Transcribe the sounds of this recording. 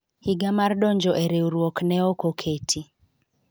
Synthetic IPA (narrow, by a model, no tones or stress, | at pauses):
hiɡamardɔɲd͡ʒɔʔeɾeuɾwɔknɛɔkokʰetʰi